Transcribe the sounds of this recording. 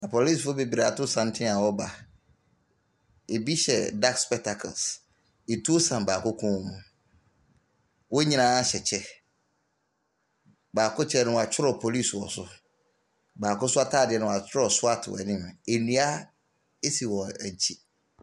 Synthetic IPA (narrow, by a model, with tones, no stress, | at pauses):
nã˨pʰo˨li˦˨sfʊ˦be˨bi˨ɾa˨tʊ˦sã˦m˦tʰɪ̃˦a˨wɔ˦ba˨ | e˨bi˦ɕɛ̰˨da˦kspɛ˦k̚tʰa˨kʰɔ̰˨ls | e˨tʰu˦o˦sã˨mbaː˨kʊ˦kʰɔ̃˦mũ˨ | wɔ˦ɲĩ˦nã˦a˦ɕɛ˨t͡ɕʰɛ˦ | baː˨kʊ˦t͡ɕʰɛ˦nʊ̃˦wa˨t͡ɕʰᶣɪ˦ɾɔ˨pʰo˨li˦˨swɔ˨sʊ˨ | baː˨kʊ̃˦sʊ˦a˦tʰaː˦˨dɪ˨ɛ˨nʊ̃˦˨a˨t͡ɕʰɪ˦ɾɔ˨sʊ˦a˦tʰɪ˨w̰ɛ̰˨nɪ̃˦m˨e˨nĩ˨˦a˦ | e˦si˨wɔ̃˨æ˨t͡ɕʰi˦